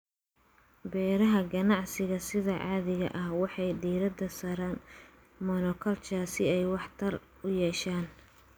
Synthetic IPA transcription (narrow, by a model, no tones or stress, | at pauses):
bɛːɾɐɦɐɡɐnɑʕsɪɣɐsɪðɐʕɑːðɪɣɐ̰ʔɐhwɑħɑjdiːɾɐd̪ɐsɐɾaːn | mɔnɔkʰɐlt͡ʃaːsɪɛjwɑħt̪ʰɐr | ʊjɛːʃaːn